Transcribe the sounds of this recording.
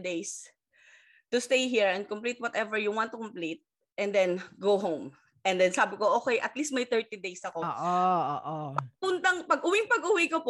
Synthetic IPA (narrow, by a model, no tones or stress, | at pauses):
d̪ejs | t̪ʊst̪ejɦiɹɛ̃n̚kʊmplit̪wɐt̪ɛvɛɹjʊwãnt̪ːʊkɔmplit̪̚ | ʔɛ̃nd̪ɛnɡowɦõwm | ʔɛ̃nd̪ɛnsaːbɪkoʔoːkɛjʔɐt̪list̪mɐjt̪ɛɹt̪id̪ejsɐkooːʔʔooːʔopʊnt̪ɐŋpɐɡ̚ʔʊwiŋpɐɡʔuwikop